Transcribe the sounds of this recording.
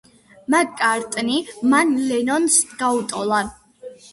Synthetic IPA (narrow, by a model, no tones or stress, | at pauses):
maɡkʼaɾt̪ʼnimanlɛnɔnsɡ̥aut̪ʼɔlˠa